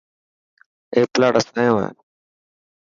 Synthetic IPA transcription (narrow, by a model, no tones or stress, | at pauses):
eːplaːɽəsaːjõːḛː